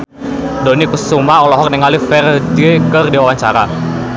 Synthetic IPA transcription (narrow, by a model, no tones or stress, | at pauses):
dɔnikussumaɔlɔɦɔk̚nɛŋalifɛrd͡ʒiekərdiwawaɲt͡ʃaɾa